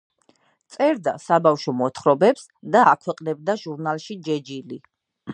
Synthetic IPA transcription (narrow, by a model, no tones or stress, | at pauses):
t̪sʼɛɾd̪asabafʃɔmɔt̪ʰχɾɔbɛps | d̪aakʰwɛqʼnɛbd̪aʒuɾnalˠʃid͡ʒɛd͡ʒili